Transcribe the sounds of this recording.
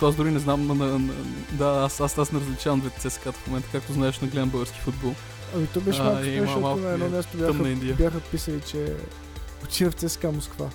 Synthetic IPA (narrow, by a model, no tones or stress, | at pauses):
t̪oazd̪ɾuɾinɛznamnɐnɐ̰d̪aasasasnɛɾəzlʲit͡ʃavəmd̪vɛt̪t̪sɛsɛ̥kat̪fmomɛnt̪əkak̚t̪oznaɛʃnɐɡlɛɐmbɤɡəɾskʲi̥fud̪bɔlˠ | ɐmit̪ɔbɛʃmamalˠknɐɛd̪ɔmʲjast̪objaəxmɐind̪iəbjaxəpisəlit͡ʃɛ | ot̪inɐft̪sɛskamoskva̰